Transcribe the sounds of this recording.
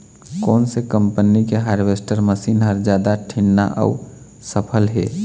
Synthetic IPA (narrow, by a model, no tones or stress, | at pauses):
kɔːnsekəmpənikeɦaːɾbesʈəɾməsiːnɦəɾd͡ʒjaːd̪aʈʰinːa̰ʔə̰u | səpʰəlɦeː